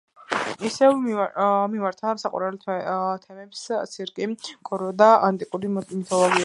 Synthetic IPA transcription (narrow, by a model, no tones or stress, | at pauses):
isɛv | mimaɾt̪ʰasaqʼa̰ɾalʰt̪ʰɛmɛpst̪sʰiɾkʼikʼɔɾɔd̪aant̪ʼikʼuɾimit̪ʰɔlˠɔɡi